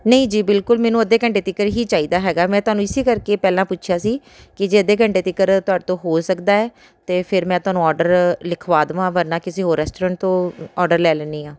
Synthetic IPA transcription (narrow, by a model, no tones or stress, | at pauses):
nəĩːd͡ʒiːbɪlkʊlmɛ̃ːnũːəd̪eːkəɳʈeːt̪ɪkəɾɦiːt͡ʃaːiːd̪aːɦɛːɡaːmɛ̃ːt̪ʊɦaːnũːɪseːkəɾkeːpɛːlãːpʊtːʃʰjaːsiː | kɪd͡ʒeːəd̪eːk̬əɳʈeːt̪ɪkːəɾt̪ʊaːɖt̪õːɦoːsəkd̪aːɛː | t̪eːpʰɪɾmɛ̃ːt̪ʊɦaːnũːɔːɾɖəɾlɪkʰʋaːd̪ʋãːʋəɾnaːkɪseːɦoːɾɛːsʈoɾə̃ːɳʈ̚t̪õːɔːɖəɾlɛːlɛːniːãː